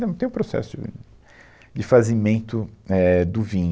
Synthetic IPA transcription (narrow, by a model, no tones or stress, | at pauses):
ɐ̃w̃t̪ẽj̃ũpɾosɛ̰sʊd͡ʒɪ̰ | d͡ʒɪfazimẽnt̪ʊɛd̪ʊvĩɲ